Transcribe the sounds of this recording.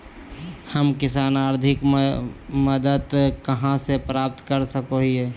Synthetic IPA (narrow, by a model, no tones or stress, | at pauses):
həmkɪsaːnaːɾd̪ʱɪk | məd̪əd̪kɐɦãsepɾaːp̚t̪kəɾsəkoɦieː